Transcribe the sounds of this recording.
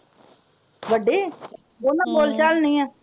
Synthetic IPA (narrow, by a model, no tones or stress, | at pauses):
ʋəɖeː | boːnãːboːlt͡ʃaːlnəĩːɛ̃ː